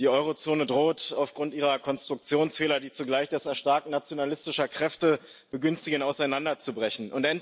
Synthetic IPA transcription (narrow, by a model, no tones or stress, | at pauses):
d̥iːʔɔʏʁot͡soːnədʁoːtaʊfɡ̥ʁʊntʔiːʁɐkʰɔnstʁ̥ʊk̚t͡sjoːnsfeːlɐdiːt͡suɡlaɪçd̥ɛsɛɐʃtaɐk̚nat͡sjonalɪstɪʃɐkʁ̥ɛftə | b̥əɡʏnstɪɡənaʊsaɪnandɐt͡subʁɛçn̩ʔʊntʔɛnt